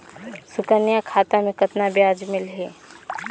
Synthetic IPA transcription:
sʊkənijakʰaːt̪amẽkət̪nabjaːd͡ʒmɪlɦɛː

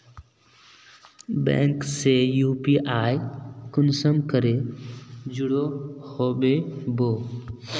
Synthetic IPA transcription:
bḛ̃ːŋkseːjuːpiːʔaːjkʊnsəmkəɾeː | d͡ʒʊɽoːhoːɓeːboː

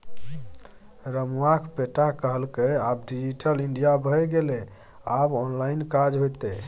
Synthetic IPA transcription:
ɾəmuakʰpeʈakəɦəlkeabɖid͡ʒiʈʰəliɳɖijabʱəjɡele | abɔnlainkad͡ʒɦojt̪e

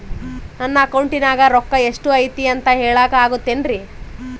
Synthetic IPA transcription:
nɐnːɐːkɐwɳʈinaːɡɐɾɔkːɐe̞ʂʈuɐjt̪iɐnt̪ɐɦeːɭaːkɐaːɡut̪ːenɾi

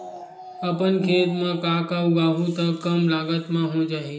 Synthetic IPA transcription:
əpənkʰeːt̪mãkaːkauɡaːɦũt̪əkəmlaːɡət̪mãɦõd͡ʒaːɦi

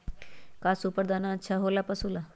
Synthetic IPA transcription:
kaːsupəɾd̪aːnãətːʃʰaːɦoːlaːpəsoːla

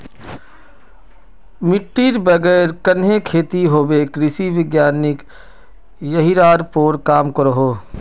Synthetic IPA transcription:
mɪʈːiːɾbəɡɛːɾkɐnɦekʰeːt̪iɦoːbekɾɪsiʋɪɡjaːnɪk | jɐɦiɾaːd̪poːɾkaːmkɐɾoɦoː

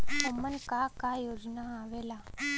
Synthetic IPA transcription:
omːənkakajoːd͡ʒnaaːʋeːla

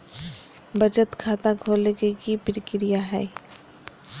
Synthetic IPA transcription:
bəd͡ʒət̪kʰaːt̪ãkʰoːleɡekipɾɪkɾijaɦɛ̰ː

